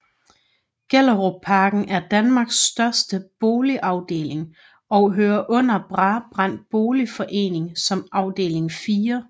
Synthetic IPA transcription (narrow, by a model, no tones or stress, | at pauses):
ɡ̥eləʁopʰɑ̈ːɡ̥n̩ʔæɐd̥ænmɑ̈ːɡ̥sd̥ɶɐsd̥əb̥o̝ːliʔɑ̈ʊd̥e̝̰ːle̝ŋ | ɒ̽ʊɦøːɐʔɔ̽n̰ɐb̥ʁɑb̥ʁɑn̰d̥̚b̥o̝ːlifɒ̽ʔe̝̰ːne̝ŋsɒ̽mɑ̈ʊd̥e̝̰ːle̝ŋfiːɐ